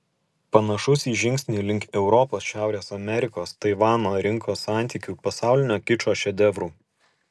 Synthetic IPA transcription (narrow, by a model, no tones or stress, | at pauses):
pɐnɐʃʊsʲiːʒʲɪŋʲksʲnʲiːlʲɪŋʲkʲɛʊɾɔpoːsʃʲæˑʊɾʲeːsɐmʲɛɾʲɪkoːst̪ɐɪʋɑːnoːɾʲɪŋkoːsːɑˑnʲt̪ʲiːkʲuːpɐsɑˑʊlʲɪnʲoːkʲɪt͡ʃoːʃʲɛd̪ʲɛʋɾuː